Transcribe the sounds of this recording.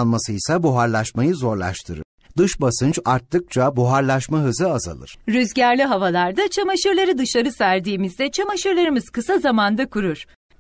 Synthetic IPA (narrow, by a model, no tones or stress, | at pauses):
nˠmasɯjsabuɦaɾlˠaʃmajɯzo̞ɾlˠa̰ʃt̪ʰɯɾɯ̰ɾ̥ | d̪ɯʃbasɯnt͡ʃaɾt̪ːɯk̚t͡ʃʰabuɦaɾlˠaʃmaɦɯzɯaza̰lˠɯ̰ɾ̥ɾyzɟæɾlʲiɦavalˠaɾd̪at͡ʃʰamaʃɯɾlˠaɾɯd̪ɯʃlˠaɾɯsæɾd̪iːmizd̪ɛt͡ʃʰamaʃɯɾlˠaɾɯmɯz̥kɯsazamand̪akuɾuɾ̥